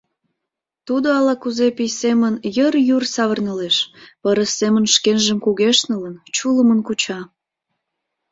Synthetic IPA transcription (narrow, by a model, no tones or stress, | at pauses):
t̪ud̪oɑlɑkuzepijsemənjərjursɑβərnəleʃpəɾəsemənʃkenʒəmkuɣeʃnələnt͡ɕuləmənkut͡ɕɑ